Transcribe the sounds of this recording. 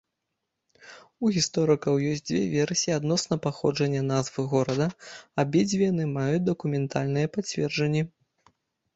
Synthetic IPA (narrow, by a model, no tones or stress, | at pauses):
uɣʲist̪ɔɾɨkɐwjɔsʲtʲd͡zʲvʲɛvʲɛrsʲiiad̪nɔsnɐpaxɔ̰d͡ʐɐnʲːɐnazvɨɣɔɾɐd̪ɐabʲɛd͡zʲvʲinɨmajut͡sʲd̪ɐkumʲɛnt̪ʰalʲnɨjɐpat͡sʲvʲɛrd͡ʐɐnʲːɛ